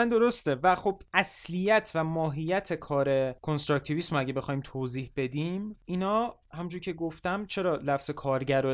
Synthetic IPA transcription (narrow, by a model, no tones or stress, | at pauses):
ænd̪o̞ɾost̪evæxobæslijæt̪ʰvæmɒːɦijæt̪ʰe̞kʰɒːɾe̞kʰonst̪ɾɔc̚t̪ʰivismoæɟebe̞xɒːiːmt̪ʰoːziːhb̥e̞d̪iminɒː | hæmind͡ʒuɾcʰe̞ɡoft̪æmt͡ʃʰe̞ɾɒːlæfz̥e̞kʰɒːɾɟæɾo